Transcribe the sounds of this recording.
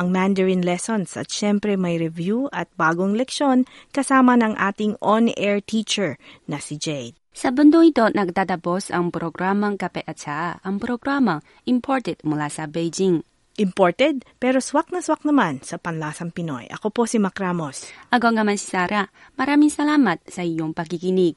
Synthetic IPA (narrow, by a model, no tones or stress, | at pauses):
ʔɐŋmand̪ɛɹinlɛsonsʔɐ̰t̪̚ʃɛmpɾɛmɐjɾɛvjuɐt̪̚baːɡoŋlɛkʃo̞nkɐsaːmɐnɐŋʔaːt̪ɪŋonɛɹt̪ʰit͡ʃɛɹnɐsid͡ʒɛjd̪̚sɐbʊnd̪oŋɪt̪o̞nɐɡ̚d̪ad̪ɐbosɐ̰ŋpɾoɡɾamɐŋkɐpɛʔɐt̪t͡ʃaʔaʔɐŋpɾoɡɾamɐŋ | ʔɪmpʰoɹt̪ɛd̪̥̚mʊlasɐbɛjd͡ʒiŋ | ʔɪmpoɹt̪ɛd̪̚pɛːɾo̞swak̚nɐswak̚nɐmansɐpɐnlasɐŋpɪno̞̰jʔɐ̰ko̞po̞simɐkɾamosʔɐɡoŋɐmansi̥saːɾa | mɐɾaːmɪŋsɐlaːmɐt̪̚sɐiɲoŋpɐɡ̚iɡɪniɡ̚